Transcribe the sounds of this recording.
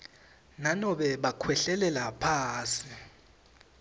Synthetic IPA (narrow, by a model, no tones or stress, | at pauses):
nanɔɓɛɓakʰwɛɬɛlɛlapʰaːsi